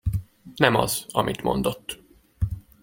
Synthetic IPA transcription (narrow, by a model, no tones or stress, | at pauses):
nɛmɒzɒmʔit̪mo̞̰nd̪o̞t̪ː